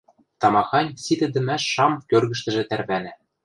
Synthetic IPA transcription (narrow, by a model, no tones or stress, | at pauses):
t̪ɑmɑxɑnʲsid̪ɘ̆d̪ɘ̆mæʃːɑmkørɣɘ̆ʃt̪ɘ̆ʒĕt̪ærβænæ